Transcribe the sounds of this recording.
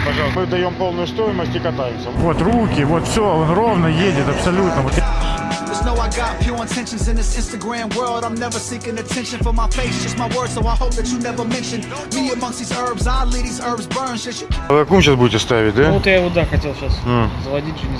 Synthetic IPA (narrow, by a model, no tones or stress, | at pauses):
pɐʒalˠmɨd̪ɐjompolˠnʊjʊst̪ojɪməsʲtʲɪkɐt̪ajɪmsʲəvot̪rukʲɪvot̪fsʲoonrovnəjedʲɪt̪ɐpsɐlʲut̪nəmʊt̪ad͡ʒəsnoʊaɪɡɑɾfʰjuɹə̃tʰɛ̃nʃɨ̃nzɨ̃nðɪsɪ̃nstɨɡɹæ̃mwɜ˞lˠdãɪ̃mnɛvə˞sikɪ̃ŋɨtʰɛ̃nʃɨ̃nfə˞maɪfeɪsʒ̥ʌsmaɪwɜ˞d̥soʊaɪhoʊp̚ðɨt͡ʃɨnɛvə˞mɛ̃nʃɨ̃n | miəmʌ̃ŋst̚ðizɜ˞bzaɪlˠiɾizɜ˞bzbɜ̃˞nʃɨʃvɨkɐkumɕasbudʲɪtʲɪst̪avʲɪt̚ʲd̪avot̪jaɪvod̪axɐtʲelˠɕaszəvɐdʲit̚ʲunʲɪ